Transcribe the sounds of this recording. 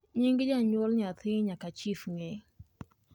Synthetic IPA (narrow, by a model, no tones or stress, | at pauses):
ɲiŋɡid͡ʒaɲɔlɲat̪iɲakat͡ʃifŋɛ